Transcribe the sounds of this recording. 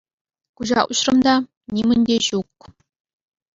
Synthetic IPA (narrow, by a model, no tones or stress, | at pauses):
kuʑɑ̰ʔuɕrɤ̆md̪ɑ | nʲimɘ̆nʲd̪ʲeʑuk̚